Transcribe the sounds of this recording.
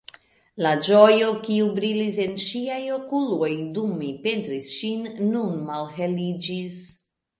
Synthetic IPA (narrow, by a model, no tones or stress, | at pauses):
lad͡ʒojo̞kiubɾilise̞nʃiajokulojdumepe̞ntɾisʃinːunmalhelid͡ʒis